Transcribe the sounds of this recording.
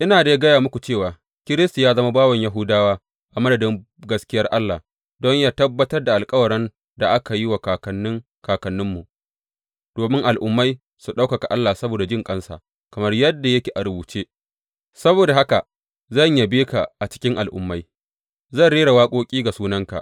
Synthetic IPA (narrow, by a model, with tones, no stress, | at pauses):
ʔɪ˦naː˨da˨ja˦ɡɐ˦jaː˨mʊ˦kʷu˨t͡ʃeː˦˨waː˨ | kʲɪ˦ɾɪ˦sta˨jaː˦zɐ˦ma˦baː˦wɐ˨ɲja˦ɦʊ˦daː˦waː˦ | ʔa˨mɐ˦dɐ˨dɪ˦ŋ | ɡɐ˦skʲɪ˦jɐ˦rʔa˦lːaː˨ | dɔ˦ɲjaː˦tɐ˦bːɐ˦tɐ˦rda˨ʔa˨lkʼɐ˦wɐ˨ɾɛ˦n | da˨ʔa˦ka˨ji˦wa˨kaː˨kɐ˨nːɪ˦ŋ | kaː˨kɐ˨nːʊ˦mːu˨ʔ | d̥oː˨mɪ˦ŋʔa˨lʔʊ˦mːa˦j | su˨ɗa˦wkɐ˨ka˨ʔa˦lːaː˨sɐ˦boː˨da˨d͡ʒɪ˦˨ŋkʼɐ˦nsa̰ː˨ | kɐ˨mɐ˦rjɐ˦dːa˨jɐ˦kʲe˨ʔa˨ɾʊ˨buː˨t͡ʃeː˦ | sɐ˦boː˨da˨ɦa˦ka˨ | zɐ˦˨ɲja˨beː˦ka̰˨ʔa˨t͡ʃɪ̥˦kʲɪ˦ŋʔa˨lʔʊ̰˨˦mːa˦j | zɐ˦˨nɽeː˦ɾa˨waː˦kʷʼoː˦kʲʼiː˦ɡa˨suː˦nɐ˦ŋka̰˨ʔ